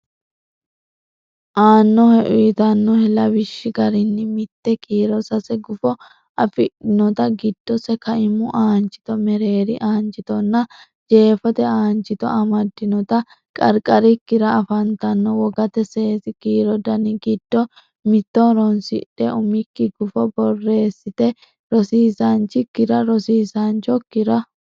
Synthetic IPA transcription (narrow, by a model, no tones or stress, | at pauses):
ʔaːnːɔhɛʔʊt̪ɐnːɔhɛlɐbɪʃːɪɡɐɾɪnːɪmɪt̪ːɛkʼiːɾɔsɐsɛɡʊfɔ | ʔɐfɪᶑɪnɔt̪ɐɡɪd̪̥ːɔsɛkɐɪmʊʔaːnt͡ʃʼɪ̥t̪ɔmɛɾe̞ːɾɪʔaːnt͡ʃʼɪt̪ɔnːɐ | d͡ʒe̞ːfɐt̪ɛaːnt͡ʃʼɪt̪ɔ̰ɐmɐd̪ːɪnɔt̪ɐ | kʼɐɾkʼɐɾɪkːɪɾɐːfɐnt̪ɐnːɔwɔɡɐt̪ɛse̞ːsɪɡiːɾɔd̪ɐnɪɡɪd̪̥ːɔ | mɪt̪ːɔɾɔnsɪᶑɛʔʊmɪkːɪɡʊfɔbɔrːe̞ːsːɪt̪ɛ | ɾɔsiːsant͡ʃːɪkːɪɾɐɾɔsiːsant͡ʃɔkːɪɾɐ